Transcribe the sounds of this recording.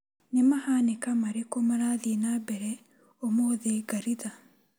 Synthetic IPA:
nɪmɐhaːnɪkɐmɐɾɪkɔmɐɾaːðiːnaːbɛɾɛ | ɔmoːðeːɡɐɾit̪ɐ

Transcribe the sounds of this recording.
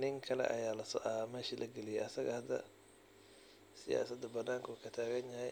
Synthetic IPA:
nɪŋkʰɐlɛ̰ʔɐ̰jaːlɐsɔːʔamɛːʃilʔɐɡɛlɪjɛʔɐsɐɣɐhɐd̪ːɐ̰ | sɪja̰ːsɐd̪ɐbɐnːaːŋkʰuːkʰɐt̪ʰaːɣɐnjɐɦɛj

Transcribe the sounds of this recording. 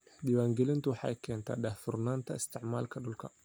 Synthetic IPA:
dɪwaːŋɡɛlɪnt̪ʊwɑħɑ̰jkʰɛːnt̪ʰa̰ːɗahθʊrnaːnt̪ʰɐɪst̪ʰɪʕmaːlkʰɐɗʊlkʰɐ

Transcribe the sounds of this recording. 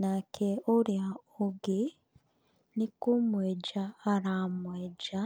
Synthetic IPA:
nakʰeoɾjaoɡe | nikumweɟaːɾamweːd͡ʒa

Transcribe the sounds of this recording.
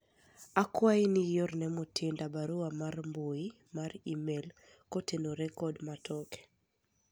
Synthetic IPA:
akwainɪjornɛmutʰɪndabaɾuamarmboi | marimel | kotenoɾɛkɔdmatʰɔkɛ̥

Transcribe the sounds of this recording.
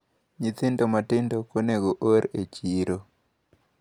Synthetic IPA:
ɲit̪ɪntomatɪndokoneɡoʔoɾet͡ʃiɾo

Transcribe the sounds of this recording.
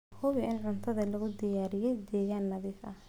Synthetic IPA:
hʊβɪʔɪnʕʊnt̪ʰɐðɐlɐɣʊd̪ɪjaːɾɪjɛjd̪ɛːɣaːnːɐðiːfɐh

